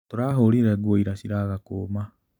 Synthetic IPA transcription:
toɾaɦoɾiɾɛɣwoiɾasiɾaɣakoma

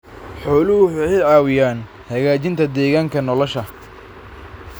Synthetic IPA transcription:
ħɔːlʊhʊħɛjʕɑːwɪjaːn | hɐɣaːt͡ʃɪnt̪ʰɐd̪ɛːɣaːŋkʰɐnɔlɔʃɐ

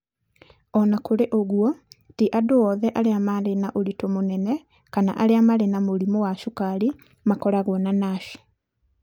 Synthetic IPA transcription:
ɔnakoɾeʔoɣwɔtiʔadowɔðɛʔaɾeamaɾenaʔoɾitomonɛnɛ | kana̰ʔaɾeamaɾenamoɾimɔwaʃukaɾi | makɔɾaɣwɔnanaʃi̥

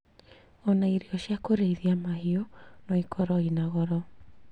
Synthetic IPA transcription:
ɔnaiɾiɔɕjakoɾeiðiamaɦiɔnɔikʰɔɾɔinaɣɔɾɔ

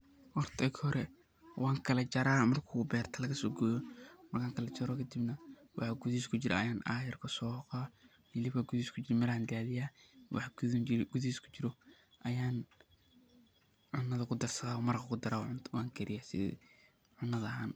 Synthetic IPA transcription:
ʔɔrt̪ʰɐkhɔɾɛ | wʔɑːŋkʰɐlɐt͡ʃɐɾaːmɐrkʰubɛːrt̪ʰɐlɐɣɐsɔːɡɔːjɔmɐrkʰaːŋkʰɐlɐt͡ʃɐɾɔkʰɐd̪ibnɐ | wɑħɑɡʊðiːskʰʊt͡ʃɪɾʔɐ̰ɐjaːnaːjɐrkʰɐsɔːhqaː | hɪlɪβɐɡʊðiskʰʊt͡ʃɪɾmɐɾand̪aːðɪjaːwʔɑ̰ħɡ̥ʊðiːskʰʊ̥t͡ʃɪɾɔ | ʔɐjaːn | ʕʊnːɐðɐkʰʊd̪ɐrsɐɣaːɔmɐɾqkʰʊd̪ɐɾaːwɑːŋkʰɛɾɪjaːsɪ̰ | ʕʊnːɐðɐɦaːn

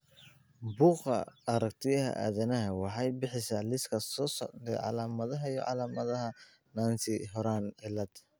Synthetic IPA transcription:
buːqɐ̰ɐɾɐkt̪ʰɪjɐɦɐ̰ʔa̰ːðɐnɐɦɐwɑħɑjbɪħɪsaːlɪskʰɐsɔːsɔ̰ʕd̪ɛʕɑ̰laːmɐðɐɦɐijɔ̰ʕɑ̰laːmɐðɐɦɐ | naːnsɪɦɔɾaːnʕɪlɐd̪

